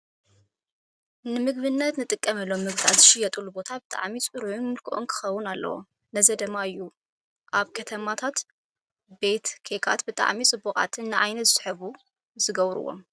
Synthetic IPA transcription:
nɨmɨɡβɨnːɐt̪nɨt̪ʼɨkʼːɐmɐlːomːɨɡt̪ʰa̰t̪zɨʃɪjɐt̪ʼulːubo̞t̪ʰabɨt̪ʼa̰ʕmit͡sʼɨɾʕʊnmɨlkʰɨʔonkʰɨ̥xɐwːʊnalːɐ̰wo̰ | nɐzɐd̪ɨmːaɨjːu | ʔaβkʰɐt̪ʰɐmat̪ʰat̪ | be̞t̪kʰekʰa̰t̪bɨt̪ʼa̰ʕmit͡sʼɨbːukʼa̰t̪ʰɨnnːɨʕajnɐt̪zɨsħɨβu | zɨɡɐβɾɨ̰wo̞̰m

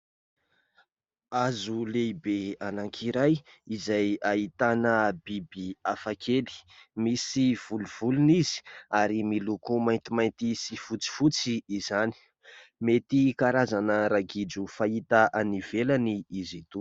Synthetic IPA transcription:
azulebeanaŋkʰiɾaj | izajait̪anəbibiafakʰeli̥misiv̥uluv̥ulunizi̥aɾimilukumajnt̪imajnt̪isifut͡si̥fut͡siːzani̥ | met̪ikaɾazanəɾaɡid͡ʒufait̪aʔanivelaniizit̪u

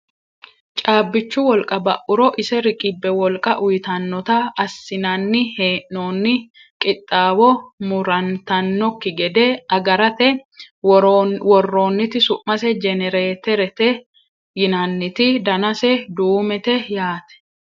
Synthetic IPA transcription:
t͡ʃʼaːbːɪt͡ʃːʊwɔlkʼɐbɐʔʊɾɔʔɪsɛɾɪkʼɪbːɛwɔlkʼɐʔʊjɪt̪ɐnːɔt̪ɐɐsːɪnɐnːɪheːʔnoːnːɪ | kʼɪt̪ʼːaːwɔmʊɾɐnt̪ɐnːɔkːɪɡɛd̪ɛɐɡɐɾɐt̪ɛ | wɔrːo̞ːnːɪt̪ɪsʊʔmɐsɛd͡ʒɛnɛɾeːt̪ɛɾɛt̪ɛ | jɪnɐnːɪt̪ɪd̪ɐnɐsɛd̪uːmɛt̪ɛjaːt̪ɛ̥

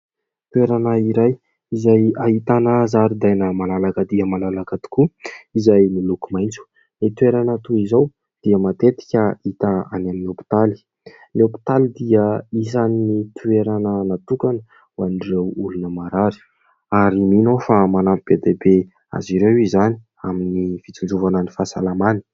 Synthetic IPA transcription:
t̪ueɾanəiɾaj | izajaɦit̪anəzaɾid̪ajnəmalalakəd̪iəmalalakət̪u̥kuizajnilukumajnt͡su̥ | let̪ueɾanat̪uizaw | d̪̥iəmat̪et̪i̥kʲəit̪aa̰naminopi̥t̪ali̥ | niopi̥t̪alid̪iəisaninit̪ʰueɾanənat̪ukanə | wanrewulunəmaɾaɾi̥ | aɾiminofamanapib̥ed̪ebe | a̰ziɾewizani | aminifit͡sind͡ʒuvanənifasa̰lamani̥

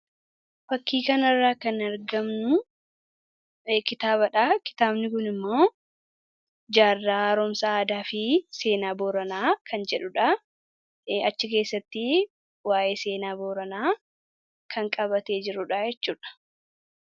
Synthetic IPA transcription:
fɐkːiːkɐnɐrːaːkɐnɐɾɡɐmnʊ | kɪt̪aːbɐᶑaːkɪ̥t̪aːbnɪkʊnɪmːoː | d͡ʒaːrːaːɾɔmsɐaːd̪aːfɪse̞ːnaːboːɾɐnaːkʰɐnd͡ʒɛᶑʊᶑa | ɐt͡ʃːɪke̞ːsːɐt̪ːɪ | waːʔe̞ːse̞ːnaːboːɾɐnaː | kʰɐŋkʼɐbɐt̪e̞ːd͡ʒɪɾʊᶑaːjɛt͡ʃːuːᶑɐ̥

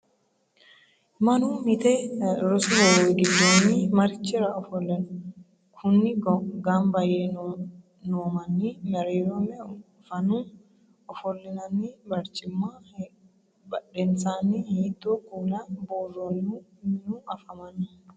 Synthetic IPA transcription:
mɐnumɪt̪eɾʊsʊbɔweɡɪd̪ːoːniːmɐɾɪt͡ʃːɪɾɐɔfɔlːɛn | kʰʊnːɪɡɡambɐje | noːmɐnːiːmɛɾeːjoːmɛ | fɐnuː | ɔfɔlːɪnɐnibɐɾt͡ʃɪmːaː | bɐᶑɛnsaːniiːt̪ːokunɐboːronumɪnuːɐfɐmɐnʊ

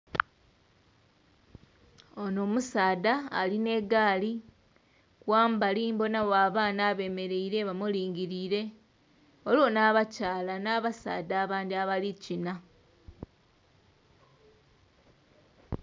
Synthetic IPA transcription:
ono̞ːmusaːda̰ːline̞ɡaːli | kwaːmbaliːmbo̞nawwaːβaːnaβe̞me̞ɾe̞iɾe̞βamuliːŋɡiɾiːɾe̞ | olo̞naːβacaːlanaːβasa̰ːdaːβaːndiaβalicina

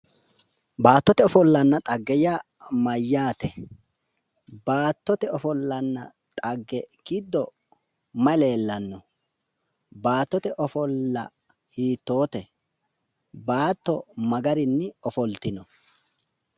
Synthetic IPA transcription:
baːt̪ːɔt̪ɛɔfɔlːɐnːɐt̪ʼɐɡːɛjaː | mɐjːaːt̪ɛ | baːt̪ːɔt̪ɛɔfɔlːɐnːɐ | t̪ʼɐɡːɛɡɪd̪ːɔ | mɐle̞ːlːɐnːɔ | baːt̪ːɔt̪ɛʔɔfɔlːɐ̰ | hiːt̪ːo̞ːt̪ɛ | baːt̪ːɔmɐɡɐɾɪnːɪɔfɔlt̪ɪnɔ

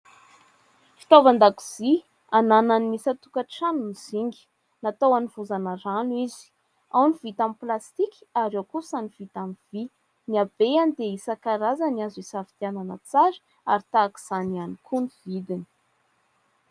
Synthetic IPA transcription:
fi̥t̪avand̪aku̥z̥i | anananimisat̪ukəʈ͡ʂanuniz̥iŋɡi̥ | nat̪awaniv̥uzanaɾanwizi̥ | awniv̥it̪amiplast̪iki̥aɾewkusaniv̥it̪amiv̥i | niab̥eanid̪eisakaɾazaniazisafi̥t̪iananət͡saɾi̥ | a̰ɾit̪aːki̥z̥anianikʰuniv̥id̪ini̥

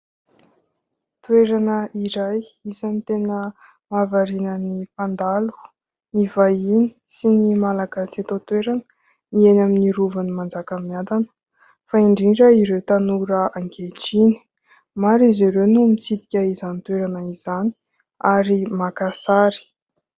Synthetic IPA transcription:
t̪weɾanəiɾaj | izanit̪enə | mavaɾinənifand̪alu̥ | nivaini̥sinimalaɡaset̪ot̪weɾanə̥ | mienaminiɾuvanimand͡zakəmiand̪anə̥ | faiɳɖ͡ʐiɳɖ͡ʐəiɾewt̪anuɾəʔaŋɡeʈ͡ʂini̥ | maɾiziɾewnumit͡sid̪i̥kʲəizanit̪weɾanəizani̥ | aɾimakasaɾi̥

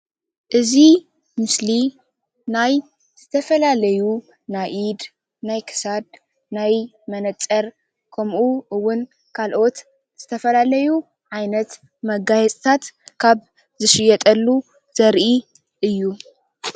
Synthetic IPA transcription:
ʔɨzi | mɨsli | naj | z̥ɨt̪ʰɐfɐlalɐju | najʔid̪ | najkʰɨ̥sad̪ | naj | mɐnɐt͡sʼɐɾ | kʰɐmʔuʔɨwːʊn | kʰalʔo̞t̪ | z̥ɨt̪ʰɐfɐlalɐju | ʕajnɐt̪ | mɐɡajɛt͡sʼt̪ʰat̪kʰaβ | zɨʃɪjɛt̪ʼɐlːu | z̥ɐɾʔi | ʔɨjːu

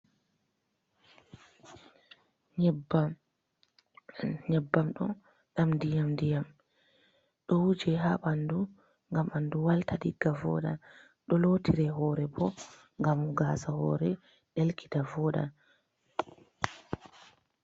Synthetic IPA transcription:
ɲba | ɲɛbːamɗɔ | ɗamdijamdijam | ɗɔwud͡ʒɛɦaɓandu | ŋɡamanduwaltaɗiɡavɔ̰ɗa̰ | ɗɔlotiɾɛɦɔːɾɛbɔ | ŋɡamuɡaːsahɔ̰ɾɛ | ɗelkʰi̥tavɔɗa̰

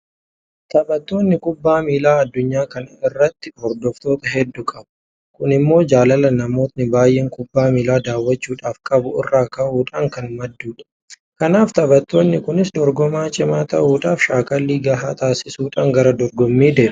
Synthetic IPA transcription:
t̪ʰɐbɐt̪ːo̞ːnːɪkʊbːaːmiːlaːɐd̪ːʊɲːaːkɐnɐɪrːɐt̪ːɪ̥hɔɾd̪ɔft̪o̞ːt̪ɐɦɛd̪ːʊkʼɐbʊ̥ | kʊnɪmːo̞ːd͡ʒaːlɐlɐnɐmo̞ːt̪nɪbaːjeːŋkʼʊbːaːmiːlaːd̪aːwːɐt͡ʃːuːᶑaːfkʼɐbʊɪrːaːkɐʔuːᶑaːŋkɐnmɐd̪ːuːᶑɐ̥ | kɐnaːft̪ɐbɐt̪ːo̞ːnːɪkʊnɪsd̪ɔɾɡɔmaːt͡ʃʼɪmaːt̪ɐʔuːᶑaːfʃaːkʼɐlːiːɡɐɦaːt̪ʰaːsɪsuːᶑaːŋɡɐɾɐd̪ɔɾɡɔmːiːd̪e̞ːʔ

